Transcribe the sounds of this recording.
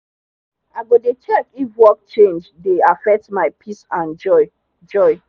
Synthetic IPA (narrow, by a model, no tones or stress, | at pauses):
aɪɡodet͡ʃɛkifwɔk̚t͡ʃẽnd͡ʒdeafɛk̚tmaɪpʰisãnd͡ʒɔɪ | d͡ʒɔɪ